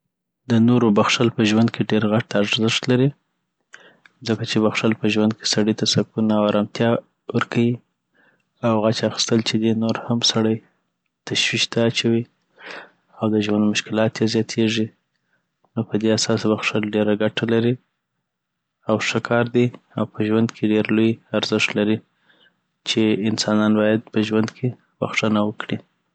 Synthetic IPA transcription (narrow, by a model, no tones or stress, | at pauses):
d̪ənoɾobaxʂalpəʒwand̪̚kʰeɖeɾɣaʈaɾzɪʂt̪laɾi | zəkat͡ʃebaxʂalpəʒwand̪̚kʰe̥saɽit̪asakunawaɾɑmt̪jɑ | wəɾkʰawi | awɣat͡ʃaxi̥st̪əlt͡ʃed̪inoɾhamsaɽaj | t̪aʃwiʃt̪aːt͡ʃawi | awd̪əʒwand̪mʊʃkɪlɑt̪jezjɑt̪ʰeʐi | nopəd̪easɑswaxʂəɖeɾaɡaʈalaɾi | awʂəkʰɑɾd̪iawpʰəʒwand̪kʰeɖeɾlojaɾzɪʂt̪laɾi | t͡ʃeɪnsɑnɑnbɑjad̪̚pəʒwand̪kʰe | ɣṵxʂənawəkɽi